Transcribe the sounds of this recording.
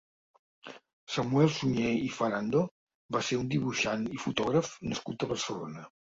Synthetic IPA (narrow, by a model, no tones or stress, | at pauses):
səmuɛlˠsuɲeifəɾand̪o | baseɾund̪iβuʃanifut̪ɔɣɾəfnəskut̪̚əβ̞əɾsəlo̰nə